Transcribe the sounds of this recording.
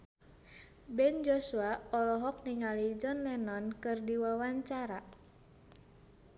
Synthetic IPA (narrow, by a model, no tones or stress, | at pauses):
bɛnd͡ʒosuaɔlɔɦɔk̚niŋalid͡ʒɔnlɛnɔnkɨrdiwawaɲt͡ʃaɾa